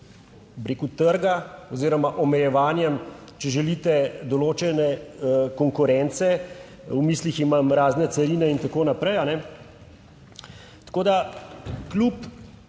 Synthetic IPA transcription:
bɾeːkut̪əɾɡaɔziːɾɔmaʔɔmɛjɛʋaːnjɛm | t͡ʃɛʒɛlit̪ɛd̪ɔloːt͡ʃɛnɛkɔŋkʊɾɛnt̪sɛ | wmiːsliximamɾaːznɛt̪sɛɾiːnɛint̪akoːnapɾɛjanɛ | t̪koːd̪aklup

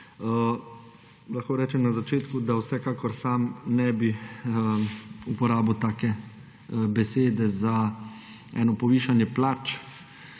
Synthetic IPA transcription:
ə | laxkoːɾɛːt͡ʃɛmnazat͡ʃeːt̪kud̪awsɛkaːkɔɾsaːmnɛbi | upɔɾaːbəwt̪aːkɛ | bɛseːd̪ɛza | ɛ̰ːnɔpɔʋiːʃanjɛplaːt͡ʃ

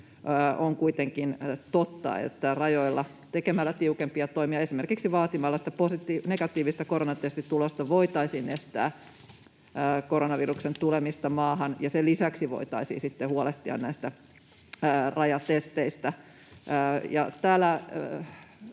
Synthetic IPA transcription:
oŋkuit̪eŋkint̪ot̪ːɑ̰ḛt̪ːærɑjoilːɑ | t̪ekemælːæt̪iukempiɑt̪oimiɑesimerkiksiʋɑːt̪imɑlːɑsi̥t̪æposit̪ineɡ̥ɑt̪ːˑiːʋist̪ækoɾonɑt̪est̪it̪ulost̪ɑʋoit̪ɑisiːnest̪æ̰ː | koɾonɑʋiruksent̪ulemist̪ɑmɑːhɑnjɑselisæksiʋo̰it̪ɑisḭːsit̪ːehuoleht̪ːiɑ̰nnæist̪æː | rɑjɑt̪est̪eist̪æ | jɑ̰t̪æːlːˑæ

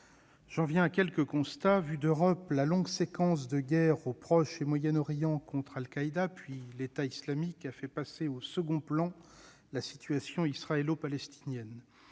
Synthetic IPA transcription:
ʒ̥ɑ̃vjɛ̃akʲɛlkəkɔ̃st̪avyd̪øʁɔplalɔ̃ɡsekɑ̃s̬d̪əɡʲɛʁopχɔʃemwajɛnɔʁjɑ̃kɔ̃t̪χalkaid̪apɥilet̪aislamikafɛpaseosəɡɔ̃plɑ̃ | lasi̥t̪ɥasjɔ̃isχaɛlopalɛst̪ʰinjɛn

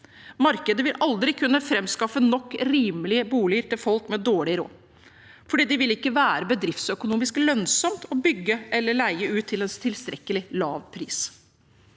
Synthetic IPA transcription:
mɑɾkəd̪əʋɪlʔɑld̪ɾɪkʰʉnːəfɾɛmskɑfənɔkːɾiːməlɪəbuːlɪəɾʈ̪ɪlfɔlkmɛd̪oːɭɪɾo̰ː | fɔɖiːd̪ɪʋɪlɪkːəʋæːɾəbəd̪ɾɪft̪sœkʊnuːmɪsklœnsɔmt̪ɔbʏɡːəʔɛlːəɭæɪəʉːt̪ʰːɪlɛnst̪ʰɪlst̪ɾɛkːəlɪlɑːʋpʰɾiːs

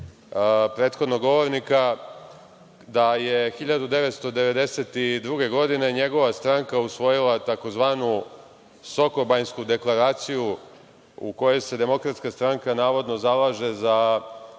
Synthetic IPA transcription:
pɾeːt̪xo̞d̪noɡo̞ʋo̞ɾnika | d̪aje̞xiʎad̪ud̪e̞ʋet̪st̪o̞d̪e̞ʋe̞d̪e̞set̪id̪ɾuɡe̞ɡo̞d̪ine̞ɲe̞ɡo̞ʋast̪ɾaŋkausʋo̞jilat̪ako̞zʋaːnu | so̞kobajnskud̪e̞klˠaɾaːt̪siju | ṵko̞jese̞d̪e̞mo̞kɾat̪skast̪ɾaŋkanaːʋo̞d̪no̞zalaʒe̞za

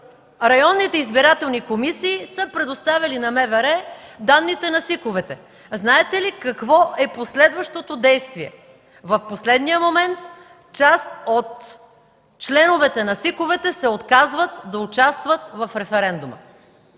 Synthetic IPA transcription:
ɾɐjɔnːit̪ɛizbiɾat̪ɛlˠnikomisiːsɤpɾɛd̪ost̪avʲɐlinɐmɛvɛɾɛd̪anːit̪ɛnɐsikʊvɛt̪ɛ | znaɛt̪ɛlikɐkvɔʔɛposlɛd̪vəʃt̪ot̪od̪ɛjst̪viɛ̰ | vɐfposlɛd̪nijəmomɛnt̪ | t͡ʃast̪ot̪ | t͡ʃlɛnʊvɛt̪ɛnɐsikovɛt̪ɛsɛot̪kazvət̪d̪ɐʊt͡ʃast̪vət̪vɐfɾɛfɛɾɛnd̪umə̰

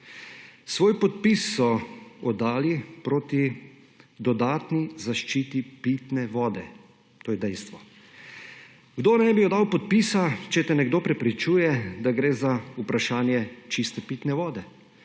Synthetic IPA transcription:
sʋoːjpɔt̪̚pisːɔɔd̪aːlipɾoːt̪i | d̪ɔd̪aːt̪nizaʃt͡ʃiːt̪ipit̪nɛʋɔːd̪ɛ | t̪oːjɛd̪ɛjst̪ʋɔ | ɡd̪oːnɛbiɔd̪aːwpɔt̪̚pisat͡ʃɛt̪ɛnɛɡd̪oːpɾɛpɾit͡ʃuːjɛd̪aɡɾeːzaupɾaʃaːnjɛt͡ʃist̪ɛpit̪nɛʋɔːd̪ɛ

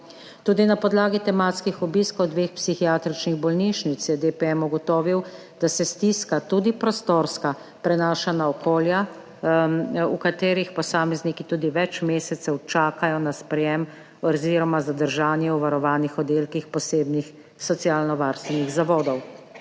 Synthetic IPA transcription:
t̪uːd̪inapɔd̪laːɡit̪ɛmat̪skixɔbiskɔwd̪ʋeːxpsixiaːt̪ɾit͡ʃniɣbɔlniʃnit̪sjɛd̪epɛɛmuɡɔt̪ɔːʋiw | d̪̥asɛst̪iskat̪ud̪ipɾɔst̪oːɾska | pɾɛnaːʃanaɔkoːlja | ṵkat̪eːɾixpɔsaːmɛznikit̪uːd̪iʋɛt͡ʃmeːsɛt̪sɛwt͡ʃaːkajɔnaspɾɛjɛm | ɔziːɾɔmazad̪əɾʒaːnjɛuʋaɾɔʋaːnixɔd̪eːlkixpɔseːbnix | sɔt̪siaːlnɔʋaɾst̪ʋɛniɣzaʋɔːd̪ɔw

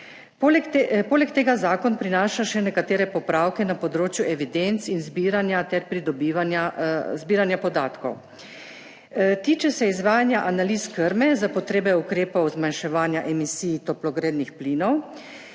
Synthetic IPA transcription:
plpoːlɛkt̪eːɡazaːkɔnpɾinaːʃaʃɛnɛkat̪eːɾɛpɔpɾaːwkɛnapɔd̪ɾoːt͡ʃjuʔɛʋid̪ent̪sinzbiɾanjat̪ɛɾpɾid̪ɔbiʋanazbiːɾanjapɔd̪aːt̪kɔ̰w | t̪iːt͡ʃɛsɛizʋaːjanjaʔanaliskəɾmɛzapɔt̪ɾeːbɛukɾeːpɔwzmanʃɛʋaːnjaʔɛmisiːjt̪ɔplɔɡɾeːd̪nixpliːnɔw

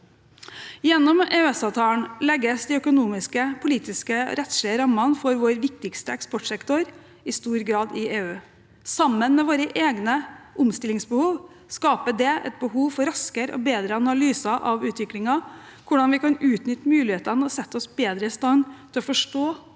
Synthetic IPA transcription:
jɛnːɔmeːœɛsɑʋt̪ʰɑːəɳlɛɡːəsd̪ɪœkʊnuːmɪskəpʰʊliːt̪ɪskəɾɛt̪sʂlɛəɾɑmːɑnfɔɾʋoːɾʋɪk̚t̪ɪkst̪əɛkspɔʈʂɛkt̪ɔɾ | ɪst̪uːɾɡɾɑːd̪ɪeːʉː | sɑmːənmɛʋoːɾəʔeːɡnəʔʊmst̪ɪlɪŋsbəhuːʋ | skɑːpəɖɛʔɛ̰t̪̚bəɦuːʋfɔɾɑskəɾɔ̰beːd̪ɾəɑnɑlyːsɑʔɑʋʉːt̪ʰʋɪklɪŋɑ | kʰʊɖɑnʋɪkɑnʉːt̪nʏt̪ːəmʉːlɪheːt̪ənəɔsɛt̪ːɔsbeːd̪ɾəɪst̪ɑnt̪ʰɪlɔfɔʂʈoː

